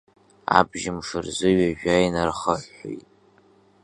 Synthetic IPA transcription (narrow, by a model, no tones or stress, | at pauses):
a̰bʒɪmʂɨrzɨɥaʒᶣajnarχəħo̰jtʼ